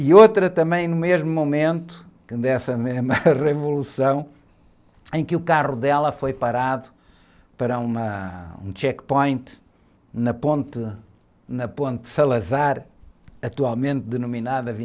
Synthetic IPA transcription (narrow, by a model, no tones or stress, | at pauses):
iot̪ɾɐt̪ɐ̃mbɐ̃j̃numeʒmumumẽnt̪u̥kɨd̪ɛsɐmeʒmɐʁɨvulˠusɐ̃w̃ | ẽj̃kɨukaʁuðɛlˠɐfojpɐɾaðu | pɐɾɐumɐũt͡ʃɛkpõj̃nt̪ɨ | nɐpõnt̪ | nɐpõnt̪sɐlˠɐzaɾɐt̪ualˠmẽnt̪̚d̪ɨnuminaðɐvi